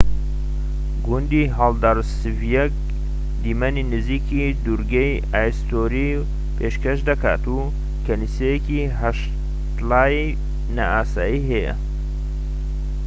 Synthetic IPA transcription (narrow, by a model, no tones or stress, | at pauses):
ɡund̪iɦaːld̪aɾsɨvjɛk̚ | d̪iːmaninɨziːki | d̪uɾɡej | aːjst̪oːɾi | pʰeʃkɐʃd̪ɐka̰ːt̪u | kʰɐlisejeki | ɦɐʃ | t̪laːji | naaːsaːjiːɦɛjɐ̰